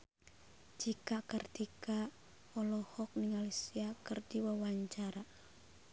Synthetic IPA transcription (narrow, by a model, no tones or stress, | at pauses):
d͡ʒikakərd̪ika | ɔlɔhɔk̚niŋalisiakərdiwawaɲt͡ʃaɾa